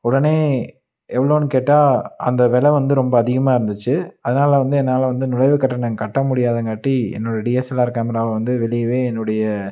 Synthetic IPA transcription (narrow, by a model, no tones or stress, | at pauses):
ʊɽɐneː | ʔɛʋːɐɭoːnɯkeːʈːaːɐ̰nd̪ɐʋɛlɐʋɐnd̪ɯɾɔmbɐːðɪɣɐmaːɪɾɯnd̪ɯt͡ʃːɯɐðɐnaːlɐʋɐnd̪ɯɛnːaːlɐʋɐnd̪ɯnʊlɐɪʋɯkɐʈːɐɳɐŋkɐʈːɐmʊɽɪjaːðɐŋɡɐʈːiɛ̰nːɯɽɐjɐɖiɐsɛlaːɪɾɯkːaːmɐɾaːlɐʋɐnd̪ɯʋɛɭɪjɐʋeːɛnːɯɽɐjɐ